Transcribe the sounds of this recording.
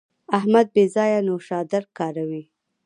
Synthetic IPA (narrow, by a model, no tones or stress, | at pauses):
aɦmad̪̚bezɑjanoʃɑd̪aɾkɑɾawi